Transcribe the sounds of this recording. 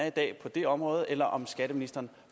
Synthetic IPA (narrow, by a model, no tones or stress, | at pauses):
id̥ɛ̰ːpʰɒ̽d̥e̝ɒ̽mʁɔ̽ːð̞̩ˠelɐʔɒ̽msɡ̥æɾ̥əminisd̥ɐːn̩